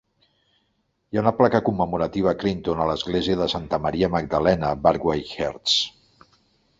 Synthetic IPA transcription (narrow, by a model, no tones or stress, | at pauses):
jaunəplakəkumːəmuɾət̪iβ̞əkɾint̪onələzɣleziəðəsant̪əməɾiəməɡ̚d̪əlɛnəbaɾɡwajxeɾt̪s